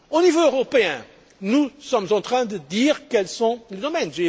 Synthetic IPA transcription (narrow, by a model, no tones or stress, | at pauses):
onivoøʁopeɛ̃ | nusɔmzɑ̃nt̪ʁɛ̃d̪ɨd̪iʁkɛlsɔ̃led̪omɛnʒe